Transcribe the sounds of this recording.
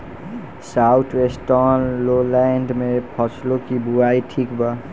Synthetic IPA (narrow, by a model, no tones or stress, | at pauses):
saʊt̪ʰwesʈɔnlolɛɳɖmẽpʰɔslokibuaiʈʰiːkba